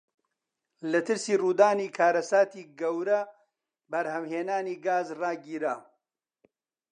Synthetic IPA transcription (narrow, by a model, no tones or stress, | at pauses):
lɐt̪ɨɾsiːruːd̪aːniːkʰaːɾɐsaːt̪iːɡɐwɾɐ | bɐɾhɐwheːnaːniːɡaːzrɑːɡiːɾaː